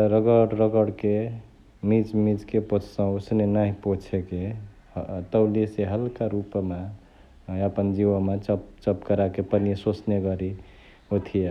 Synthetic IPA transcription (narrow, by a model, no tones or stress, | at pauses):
ɾəɡəɽɾəɡəɽke | mid͡ʒmid͡ʒkepot͡ʃʰsə̃osnenaɦĩpot͡ʃʰeke | t̪əwliseɦəlkaɾupma | əpənd͡ʒiʋəmet͡ʃpt͡ʃəpkəɾakepənesot͡ʃneɡəɾi | ot̪ʰije